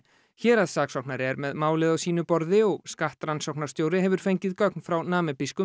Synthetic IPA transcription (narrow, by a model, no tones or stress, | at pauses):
çɛːɾaðsaːksɔwknaɾɛɾmɛðmaːwlɪðasiːnʏpɔɾðɪɔɣskaht̪ɾansɔwknaɾst̪joːwɾɪhɛvʏɾ̥fejɲcɪðkœk̚nfɾawnaːmɪpiskʏ